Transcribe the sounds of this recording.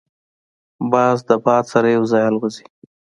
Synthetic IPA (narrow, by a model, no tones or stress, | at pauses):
bɑzd̪əbɑd̪saɾajawzɑjalwəzi̥